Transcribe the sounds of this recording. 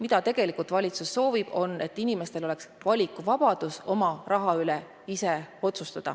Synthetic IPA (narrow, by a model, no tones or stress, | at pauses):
mid̪̥ɑt̪e̞ɡ̥e̞likˑult̪vɑlʲit̪susːo̞ːvib̥o̞ne̞t̪ːinime̞st̪e̞lole̞ksvɑlʲikːuvɑb̥ɑd̪̥uso̞mɑrɑɦɑyle | ise̞o̞t̪sust̪ɑd̪̥ɑ̰